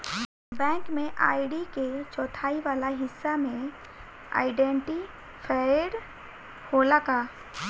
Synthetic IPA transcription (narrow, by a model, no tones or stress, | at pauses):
bɛ̃ːŋkmẽʔa̰ːɪɖiket͡ʃɔːt̪ʰaːiʋaːlaɦɪsːamẽ | a̰ːɪɖɛ̃ɳʈi | pʰaːɪɽ | holakaː